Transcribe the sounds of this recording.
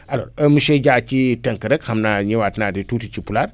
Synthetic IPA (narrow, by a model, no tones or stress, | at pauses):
alo̰ɾəmuʃeɟat͡ʃitɐŋkəɾəkhamnaɲewatnaditutit͡ʃipulaɾ